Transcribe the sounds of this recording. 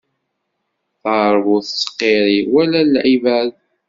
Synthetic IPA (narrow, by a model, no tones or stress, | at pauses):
θɾˤvuθəsə̥qːeɾiwælællʕivæð